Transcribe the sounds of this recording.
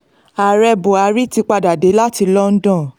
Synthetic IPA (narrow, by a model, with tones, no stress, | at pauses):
a˨ɾɛ˧bo˨a˨˦ɾi˦ti˧k͡pa˧da˨de˨˦la˦ti˧lɔ˦n̩˦dɔ̃˦˨